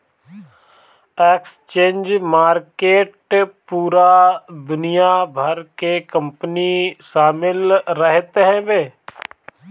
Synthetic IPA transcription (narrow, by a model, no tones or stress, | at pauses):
eːkst͡ʃẽːnd͡ʒmaːɾkeːʈpuːɾad̪ʊnijabʱəɾkekə̃mpəniʃaːmɪlɾəɦt̪ɦɛ̃beː